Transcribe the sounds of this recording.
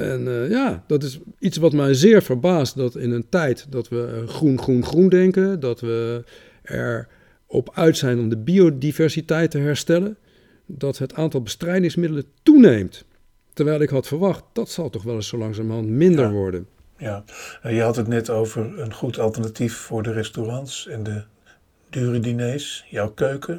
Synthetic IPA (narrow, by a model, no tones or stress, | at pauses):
ɛnjaːdɑtɪsitsʋɑtmɛjzɪːɹvəɹbaːst̚dɑtɪnəntɛjtdɑtʋəχrunχrunχrundɛŋkəndɑtʋə | ɛ̰ɹ | ɔ̰pœɥtsɛjnɔmdəbiodivɛɹsitɛjtəɦɛɹstɛlən | dɑtɦətaːntɑlˠbəstrɛjdɪŋsmɪdələntunejmt | təɹʋɛjlˠɪkɦɑtfəɹʋɑχt̚d̥ɑtsɑlˠtɔχʋɛlˠɪsowlɑŋsaːmɑntmɪndəɹʋɔɹdən | jajəɦɑtɦətnɛtowvəɹənχutɑlˠtəɹnatifːʊːɹdərɛstorɑntsɛndə | dyːridinejsjɔwkøɥkʰə